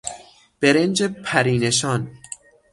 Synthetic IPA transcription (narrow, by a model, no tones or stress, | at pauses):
b̥e̞ɾend͡ʒepʰæɾiːneʃɒːn